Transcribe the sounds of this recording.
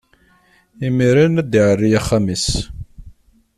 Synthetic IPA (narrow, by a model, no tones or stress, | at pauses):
imiɾinæd̪iʕərːijæχːamis